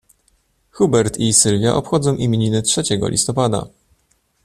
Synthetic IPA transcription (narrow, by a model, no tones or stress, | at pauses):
xubɛɾt̪isɘlvʲja̰ʔɔpxɔd̪zɔ̃w̃ʔimʲeɲinɘtʂɛt͡ɕɛɡɔ̰lʲḭst̪ɔpad̪a̰